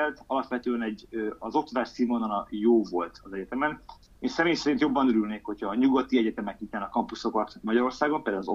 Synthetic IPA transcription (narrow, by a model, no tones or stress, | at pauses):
ɛlt̪ɒlɒpʋɛt̪øːɛnɛɟøɒzo̞kt̪od̪aːʃsiːmonɒnɒjoːvo̞lt̪ʰɒzɛɟɛt̪ɛmɛn | eːnsɛmeːjsɛɾint̪jo̞bːɒnøɾylneːkho̞cʰhɒːɲuɡɒt̪iɛɟɛt̪ɛmɛkit̪ːanɒkɒmpuso̞kɒt̪mɒɟɒɾo̞rsaːɡompɛld̪ɛlːɒzo